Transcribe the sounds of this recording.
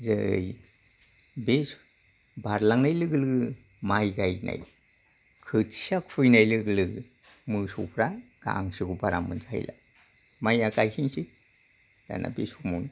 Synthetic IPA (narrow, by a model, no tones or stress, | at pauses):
zɯj | bes | baɾlaŋnajlɯɡɯlɯɡɯmajɡajnʔa̰j | kʰɯtsakʰujnajlɯɡlɯɡɯ | mɯsṵpʰɾaɡ̥a̰ŋsiɡubaɾa̰mɯnzaha̰jla̰ | majakajhiŋsi | za̰nʔa̰besumun